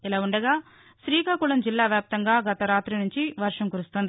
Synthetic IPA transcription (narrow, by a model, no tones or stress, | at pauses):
ilaːuɳɖɐɡaː | ʃɾiːkaːkuɭɐmd͡ʒilːaːʋjaːp̚t̪ɐŋɡaːɡɐt̪ɐɾaːt̪ɾinuɲt͡ʃiʋɐɾʂɐmkuɾust̪ond̪i